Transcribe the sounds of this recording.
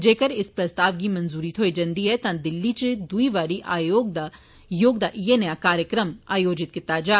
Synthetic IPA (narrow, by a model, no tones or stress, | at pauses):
d͡ʒeːkɐɾɪspɾɐst̪aːʋɡimɐnzuːɾit̪ʰɦoːid͡ʒɐ̃nd̪iɦɛt̪ãːd̪ɪlːit͡ʃɨd̪uiʋaːɽiʔaːjoːɡd̪a | joːɡd̪aːʔijenɐjakaːɾjəkɾəmaːjoːd͡ʒɪt̪̚kɪt̪ad͡ʒaː